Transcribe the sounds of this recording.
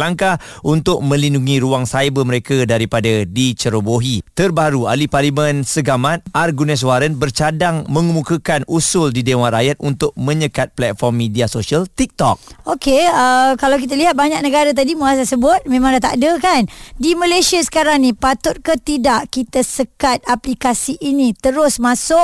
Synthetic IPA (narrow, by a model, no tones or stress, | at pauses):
laŋka | ʔunt̪ʊk̚mə̃linduŋĩɾuaŋsajbəmə̃ɾekadaɾipadadit͡ʃəɾoboɦit̪ərbaɾua̰liparlimə̃nsəɡamãt̪̚ʔarɡunɛs̬waɾənbərt͡ʃadaŋmə̃ŋəmukəkanʔusʊldidew̃ãɾajat̪̚ʔunt̪ʊk̚mə̃ɲəkat̪̚plɛt̪̚fɔrmːidiasosiəlt̪ik̚t̪ɔ̰k̚okeəkalawk̬it̪̬aliɦat̪̚baɲak̚nəɡaɾat̪̬adimuasasəbʊt̪̚mẽmãŋdat̪a̰ʔdəkandiməlesiasə̥kaɾaŋnĩpat̪ʊt̪̚kət̪idaʔkit̪asəkat̪̚aplikasiʔinit̪əɾʊsmasʊʔ